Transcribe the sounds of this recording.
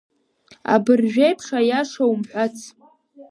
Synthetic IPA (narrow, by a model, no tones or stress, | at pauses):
a̰bɨrʒᶣejpʰχajaʂawmħʷat͡sʰ